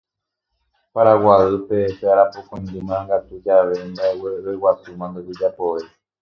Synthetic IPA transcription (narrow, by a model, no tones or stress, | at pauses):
paɾawaɨpe̞ːʃeaɾapokõnd̪ɨmãŋɡat̪ud͡ʒaʋe̞mbaeweewasumãnd̪od͡ʒed͡ʒapoʋe̞